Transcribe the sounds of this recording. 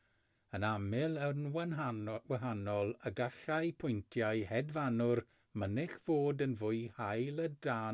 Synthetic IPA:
ənamɪlˠənwnwəɦanɔlˠəɡaxajpʰʊjntʰjajhɛdvanʊr | mənɪxv̥oːdənvʊjhajlˠədaː

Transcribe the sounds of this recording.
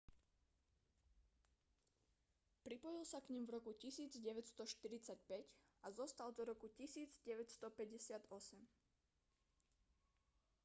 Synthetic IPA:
pɾipɔjilsakɲimvɾɔkucisiːd͡zɟɛʋɛcst̪ɔʃt̪iɾit͡sacpɛcazɔst̪ald̪ɔɾɔkucisiːd͡zɟɛʋɛcst̪ɔpɛɟɛsɪad̪ɔsɛm

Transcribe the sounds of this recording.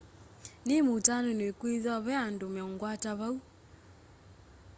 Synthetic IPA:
nemutanonwekwiðaβɛandomeɔŋɡwataβau

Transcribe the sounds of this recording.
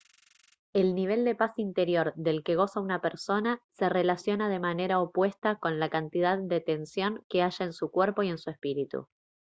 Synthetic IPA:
e̞lniβ̞e̞ld̪e̞pasint̪e̞ɾjo̞ɾðe̞lke̞ɣ̞o̞saunapeɾso̞nase̞re̞lasjo̞nað̞e̞mane̞ɾaopwe̞st̪ako̞nlakant̪ið̞aðːet̪e̞nsjo̞ŋke̞aʒaensukweɾpo̞ie̞nsue̞spiɾit̪ṵ

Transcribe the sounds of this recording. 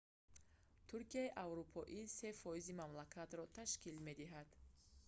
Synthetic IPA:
t̪ʰuɾkiaiʔavɾupʰɔʔise̞fɔizimamlakʰat̪ɾɔt̪ʰaʃkilme̞d̪iɦad̪̥

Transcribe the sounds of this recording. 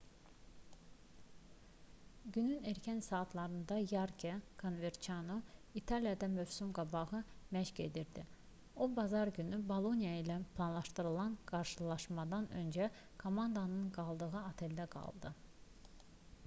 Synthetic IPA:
ɟynyneɾcʰænsɑːt̪ʰlˠɑɾɯnd̪ɑjɑɾkʰekʰonve̞ɾt͡ʃʰanoit̪ʰɑlijɑd̪ɑmøvsymɡɑbɑʁɯmæʃce̞̰d̪iɾd̪i | obɑzɑɾɟynybolˠo̞nijɑilʲæpʰlˠɑnlˠɑʃt̪ɯɾɯlˠɑnɡ̥ɑɾʃɯlˠɑʃmɑd̪ɑnø̞̰nd͡ʒæ | kʰo̞mɑnd̪ɑnɯnɡɑlˠd̪ɯɣɯɑt̪ʰe̞ld̪æɡɑ̰lˠd̪ɯ

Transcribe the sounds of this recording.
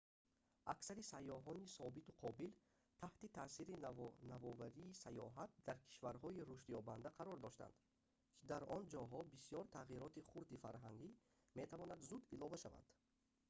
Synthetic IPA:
ʔaksaɾisajːɔɦɔnisɔbit̪uqʰɔbil | t̪ʰaht̪it̪ʰaːsiɾinavɔvaɾiːsajɔ̰ɦat̪̚d̪aɾkʰi̥ʃvaɾɦɔiɾuʃt̪jɔband̪aqʰaɾɔɾd̪ɔʃt̪a̰nd̪ | kʰid̪aɾɔnd͡ʒɔɦɔbisijɔɾt̪ʰaʁiɾɔt̪iχuɾd̪ifa̰ɾɦaŋɡi | me̞t̪ʰavɔnad̪zud̪ilɔvaʃa̰va̰nd̪̥

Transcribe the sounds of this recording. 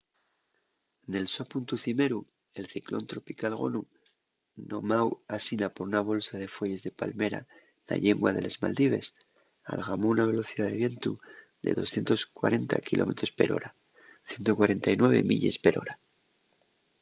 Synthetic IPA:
ne̞lsopunt̪uθime̞ɾu | e̞lθiklo̰nt̪ɾo̞pikalɣo̞̰nu | no̞mawasinapo̞ɾunaβ̞o̞lsað̞e̞fwe̞ʝe̞zðe̞palme̞ɾa̰ | na̰ʎeŋɡwaðe̞le̞zma̰ld̪iβe̞s | a̰lɣamo̞unaβ̞e̞lo̞θiðaðe̞βje̞nt̪u | ðe̞̰ðo̞sθje̞nt̪o̞skwa̰ɾʔe̞nt̪a̰kilo̞̰me̞t̪ɾo̞spe̞ɾo̞̰ɾa | θje̞nt̪o̞kwaɾe̞nt̪ajnwe̞β̞e̞̰mḭʎe̞̰spe̞ɾo̞ɾa

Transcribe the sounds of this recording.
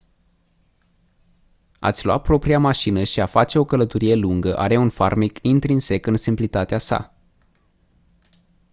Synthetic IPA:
a̰t̪sʲlua̰t̪̚pɾo̞pɾiamaʃinəʃiafat͡ʃe̞o̞kələt̪oɾije̞luŋɡəʔa̰ɾe̞unfarmikint̪ɾinse̞kɨnsimplit̪at̪easa̰

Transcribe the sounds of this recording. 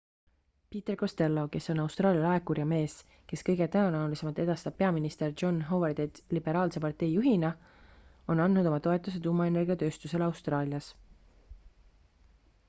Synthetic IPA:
piːt̪e̞rko̞st̪e̞lːo̞ke̞so̞nɑwst̪rɑːljɑlɑekːurjɑme̞ːs | ke̞skɤ̞jɡe̞t̪ænonɑulise̞mɑlt̪e̞d̪̥ɑst̪ɑb̥̚pe̞ɑminist̪e̞rd͡ʒo̞nɦo̞werd̪et̪lib̥e̞ɾɑːlse̞pɑrt̪e̞jːuɦinɑ | o̞nɑnd̪nud̪̥o̞mɑt̪o̞et̪ːˑused̪̥umːɑe̞ne̞rɡiɑt̪ø̞ːst̪use̞lɑwst̪rɑːljɑs

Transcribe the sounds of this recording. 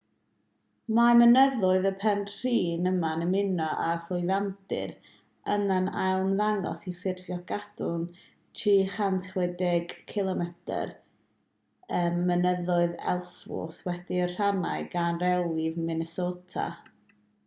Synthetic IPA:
mamənəðʊɨðəpʰɛnr̥iːnəmanəmɪnɔʔafʊɨðandɪ̰ɾ | ənanalˠmðaŋɔ̰sifɪrvjɔɡadʊn | tʰiχantʰwɛdɪɡkʰɪlˠɔmɛtʰə̰r | əmːənəðʊɨðɛ̰lˠswʊ̰θwɛdiər̥ana̰ɨɡanrɛlˠivmɪnɛsoːtʰa̰

